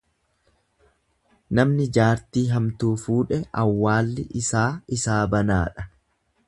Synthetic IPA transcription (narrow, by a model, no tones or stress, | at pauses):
nɐmnɪd͡ʒaːɾt̪iːɦɐmt̪uːfuːᶑɛɐwːaːlːɪʔɪsaːɪsaːbɐnaːᶑɐ